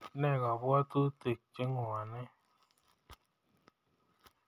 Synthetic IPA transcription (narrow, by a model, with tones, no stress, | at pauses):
nɛ˦˨ɣa˨bu˦a˦tu˦te˨k̚t͡ʃe˦ŋɔ˨a˨nɛ˦